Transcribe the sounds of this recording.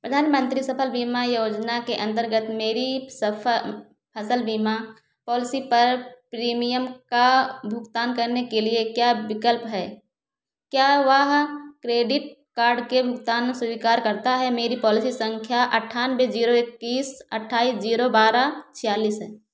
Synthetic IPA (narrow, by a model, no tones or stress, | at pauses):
pɾəd̪ʱaːnmə̃nt̪ɾisɐpʰəlbiːmajoːd͡ʒnakeʔə̃nt̪əɾɡət̪meːɾisə | pʰəsəlbima | pɔːlɪsipɐɾpɾiːmijəmkabʱʊɡt̪aːnkɐɾnekeliekjaːbɪkəlpɦɛː | kjaːʋəɦkɾeːɖɪʈ̚kaːɾɖkebʱʊk̚t̪aːnsʊʋiːkaːɾkɐɾt̪aɦɛmeːɾipɔːlɪsisə̃ŋkʰjaʔɐʈʰːaːnbed͡ʒiːɾoekːiːsɐʈʰːaːiːsd͡ʒiːɾobaːɾat͡ʃʰɪjaːliːsɦɛː